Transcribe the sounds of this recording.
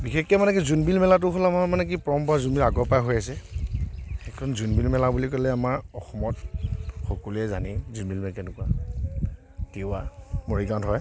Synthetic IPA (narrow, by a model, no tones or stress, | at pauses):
bixɛkːɛmanɛk̬izunbilmɛlat̬ʊɦɔlamamanɛk̬ipɹɔmbazunbilaɡɔpajɦojasɛ | xɛkʰɔnzunbilmɛlabulikɔlɛamaɹɔxɔmɔtxokulɛzanizunbilmɛkɛnʊkuwa | tiamoɹikantɦɔj